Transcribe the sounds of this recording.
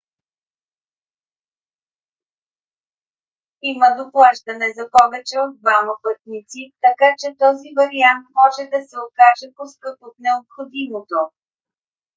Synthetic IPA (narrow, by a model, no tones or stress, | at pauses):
iməd̪oplˠaʃd̪ɐnɛzɐpɔvɛt͡ʃɛod̪̚d̪vamɐpət̪nit̪sit̪ɐkat͡ʃɛt̪ɔzivɐɾiant̪mɔʒɛd̪ɐsɛokaʒɛposkɤpot̪nɛopxod̪imot̪o